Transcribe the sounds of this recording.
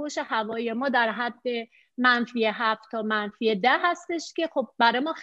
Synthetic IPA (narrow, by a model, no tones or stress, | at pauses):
oʃehævɒːije̞mɒːd̪æɾɦæd̪ːe̞ | mænfijeɦæft̪t̪ʰːɒːmænfiːed̪æhæst̪e̞ʃce̞xob̚ːæɾɒːjmɒːx